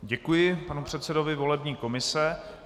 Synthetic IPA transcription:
ɟɛkujɪpanupr̥ɛt̪sɛdo̞vɪvo̞lɛbɲiːko̞mɪsɛ

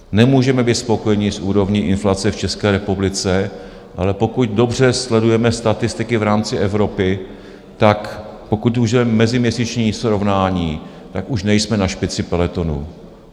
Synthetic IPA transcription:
nɛmuːʒɛmɛbiːt̪spo̞ko̞jɛɲɪsʔuːɾo̞vɲiːʔɪnflat͡sɛft͡ʃɛskɛːɾɛpublɪt͡sɛ | ʔalɛpo̞kuc̚do̞br̝ɛslɛdujɛmɛst̪at̪ɪst̪ɪkɪvɾaːmt͡sɪʔɛvɾo̞pɪ | t̪akpokuc̚uʒɛmɛmɛzɪmɲɛsit͡ʃɲiːsɾovnaːɲiː | t̪akuʃnɛjsmɛnaʃpɪt͡sɪpɛlɛt̪o̞nṵː

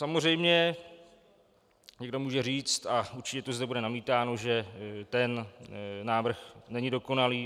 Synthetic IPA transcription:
samor̝ɛjmɲɛ | ɲɛɡdo̞muːʒɛriːt͡st̪auɾt͡ʃɪcɛt̪ozdɛbudɛnamiːt̪aːno̞ʒɛt̪ɛnnaːvr̩xnɛɲɪdo̞ko̞naliː

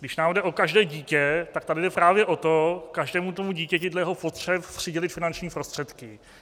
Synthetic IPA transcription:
ɡdɪʃnaːmdɛʔo̞kaʒdɛːɟiːcɛt̪akt̪adɪdɛpɾaːvjɛʔo̞t̪okaʒdɛːmut̪̬omuɟiːcɛcɪdlɛjɛɦo̞pot̪r̥ɛppr̥ɪɟɛlɪt̪fɪnant͡ʃɲiːpɾo̞st̪r̥ɛt̪kɪ

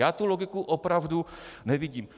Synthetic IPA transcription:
aːt̪uloɡɪkuʔopɾavdunɛvɪɟiːm

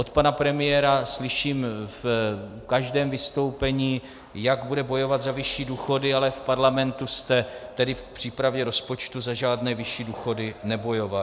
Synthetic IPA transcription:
ʔot̪panapɾɛmɪjɛːɾaslɪʃiːmf | kaʒdɛːmvɪst̪o̞wpɛɲiː | jaɡbudɛbo̞jo̞vad̪zavɪʃiːduːxo̞dɪalɛfpaɾlamɛnt̪ust̪ɛt̪ɛdɪfpr̥iːpɾavjɛɾo̞spo̞t͡ʃt̪uzaʒaːdnɛːvɪʃiːduːxo̞dɪnɛbo̞jo̞va

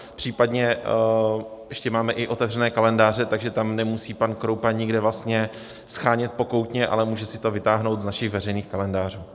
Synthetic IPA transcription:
pr̝̥iːpadɲɛ | ʔɛʃcɛmaːmɛʔɪʔo̞t̪ɛvrɛnɛːkalɛndaːrɛt̪aɡʒɛt̪amnɛmusiːpankɾowpaɲɪɡdɛvlast̪ɲɛ | sxaːɲɛt̪̚po̞ko̞wt̪ɲɛʔa̰lɛmuːʒɛsɪt̪o̞vɪt̪aːɦnowt̪znaʃɪxvɛrɛjniːxkalɛndaːr̝uː

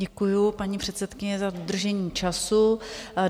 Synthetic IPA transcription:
ɛkujupaɲipr̥ɛt̪sɛt̪kɪɲɛzadod̪r̩ʒɛɲiːt͡ʃasu

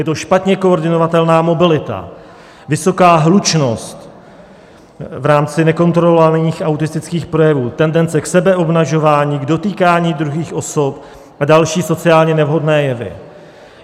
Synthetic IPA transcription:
jɛt̪o̞ʃpat̪ɲɛko̞ːɾdɪno̞vat̪ɛlnaːmo̞bɪlɪt̪a̰ | vɪso̞kaːɦlut͡ʃno̞st̪ | vɾaːmt͡sɪnɛko̞nt̪ɾolovaniːxʔawt̪ɪst̪ɪt͡skiːxpɾo̞jɛvuːt̪ɛndɛnt͡sɛksɛbɛʔo̞bnaʒo̞vaːɲiːɡdo̞t̪iːkaːɲiːd̪ɾuɦiːxʔo̞sop | ʔadalʃiːso̞t͡sɪaːlɲɛnɛvɦo̞dnɛːjɛvɪ̰

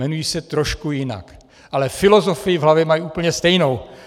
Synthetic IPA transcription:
ɛnujiːsɛt̪ɾoʃkujɪna̰k | ʔalɛfɪlo̞zo̞fɪjɪvɦlavjɛmajiʔuːpl̩ɲɛst̪ɛjnow

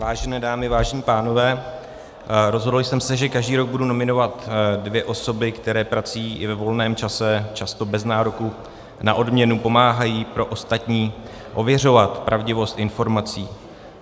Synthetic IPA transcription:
vaːʒɛnɛːdaːmɪvaːʒɛɲiːpaːno̞vɛː | ɾo̞zɦodl̩sɛmsɛʒɛkaʒdiːɾo̞ɡ̚buduno̞mɪno̞vat̪dvjɛʔo̞sobɪkt̪ɛɾɛːpɾat͡sujiːʔɪvɛvo̞lnɛːmt͡ʃasɛt͡ʃast̪o̞bɛznaːɾoku | na̰ʔo̞dmɲɛnupo̞maːɦajiːpɾo̞ʔost̪at̪ɲiː | ʔo̞vjɛr̝o̞vat̪pɾʔavɟɪvo̞st̪ʔɪnfo̞ɾmat͡siː

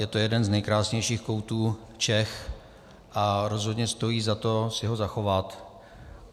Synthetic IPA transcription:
jɛt̪o̞jɛdɛnznɛjkɾaːsɲɛjʃiːxko̞wt̪uː | t͡ʃɛx | ʔaɾo̞zɦodɲɛst̪o̞jiːzat̪o̞sɪɦo̞zaxo̞vat̪

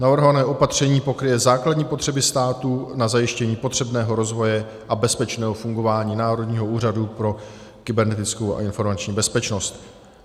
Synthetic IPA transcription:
navr̩ɦovanɛːʔo̞pat̪r̝̥ɛɲiːpo̞kɾɪjɛzaːkladɲiːpo̞t̪r̝̥ɛbɪst̪aːt̪unazajɪʃcɛɲiːpo̞t̪r̝̥ɛbnɛːɦo̞ɾo̞zvo̞jɛ | ʔabɛspɛt͡ʃnɛːɦofuŋɡo̞vaːɲiːnaːɾo̞dɲiːɦo̞uːradupɾo̞kɪbɛɾnɛt̪ɪt͡skowa̰ʔɪnfo̞ɾmat͡ʃɲiːbɛspɛt͡ʃno̞st̪

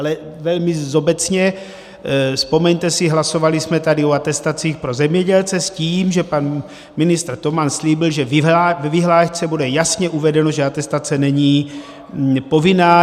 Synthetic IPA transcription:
alɛvɛlmizobɛt͡sɲɛ | spo̞mɛɲt̪ɛsɪɦlaso̞valismɛt̪adɪoat̪ɛst̪at͡siːxpɾo̞zɛmɲɛɟɛlt͡sɛsciːmʒɛpan | mɪnɪst̪rt̪o̞mansliːbɪlʒɛvavɛviɦlaːʃt͡sɛbudɛjasɲɛʔuvɛdɛnoʒɛat̪ɛst̪at͡sɛnɛɲiː | po̞vɪnaː

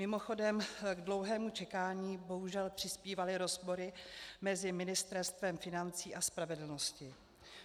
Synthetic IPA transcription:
mɪmo̞xo̞dɛmɡdlo̞wɦɛːmut͡ʃɛkaːɲiːbo̞ɦuʒɛlpr̥ɪspiːvalɪɾo̞zpo̞ɾɪmɛzɪmɪnɪst̪ɛɾst̪vɛmfɪnant͡siːʔaspɾavɛdl̩no̞scɪ

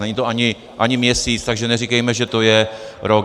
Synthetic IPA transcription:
nɛɲɪt̪oaɲɪ | ʔaɲɪmɲɛsiːt͡st̪aɡʒɛnɛrikɛjmɛʒɛt̪o̞jɛɾok

